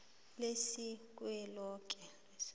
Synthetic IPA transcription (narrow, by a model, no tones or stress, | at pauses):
lesik̬ʼwɛlɔːk̬ʼɛle